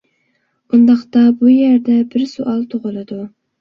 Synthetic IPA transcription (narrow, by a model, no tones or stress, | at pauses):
bund̪ɑχt̪ɑbujæɾd̪ɛbɪɾsoʔɑlˠt̪ʰoʁʊlˠɨd̪u